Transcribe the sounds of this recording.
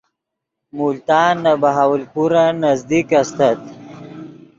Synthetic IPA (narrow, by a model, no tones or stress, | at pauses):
mult̪aːnːabaɦawəlpuɾanazd̪ikast̪at̪̚